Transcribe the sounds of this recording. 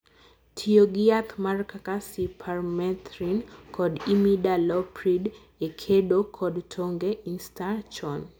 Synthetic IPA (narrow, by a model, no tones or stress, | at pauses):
tʰijoɡɪat̪markakasipʰarmɛt̪ɾinkɔdimidalɔpɾid | ekʰeɗokʰɔdtʰoŋɡeʔinstat͡ʃɔn